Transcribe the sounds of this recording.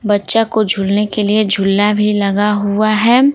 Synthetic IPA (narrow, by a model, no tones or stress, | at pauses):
bɐtːʃakod͡ʒʱʊlnekelied͡ʒʱʊlːabʱilɐɡaɦuaɦɛː